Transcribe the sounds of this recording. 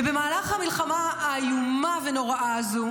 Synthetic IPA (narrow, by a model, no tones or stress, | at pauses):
be̞maːlaχhamilχamajumaveno̞ʁaʔazu